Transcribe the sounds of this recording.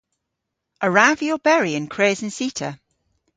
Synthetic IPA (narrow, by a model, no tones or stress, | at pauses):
ʔəɹaviəlˠbɛɹiɪ̃nkʰɹ̥eːzə̃nsiˑtʰə̰